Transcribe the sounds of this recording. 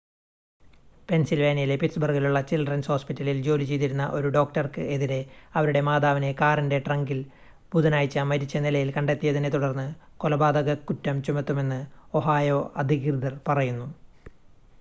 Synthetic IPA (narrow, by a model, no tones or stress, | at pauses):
pe̞nsilʋeːnɐjilepitsbɐrɡiluɭːɐt͡ɕilɖrɐnsho̞ːspitːɐlild͡ʑo̞ːlit͡ɕe̞jt̪̬iɾunːɐ̰ʔo̞ɾuɖo̞ːk̚ʈɐrkɨʔeðiɾe̞ɐʋɐɾuɽe̞maːd̪aːʋine̞kaːrinde̞ʈrɐŋɡil | puðɐnaːjit͡ɕːɐmɐɾit͡ɕːɐnilɐjilkɐɳɖe̞t̪ːijɐðinet̪uɽɐrnːɨ | kolɐbaːd̪ɐɣɐkːutːɐmt͡ɕumɐt̪ːume̞nːɨo̞ɦaːjo̞ːʔɐd̪ʱikrɨd̪ɐrpɐrɐjunːu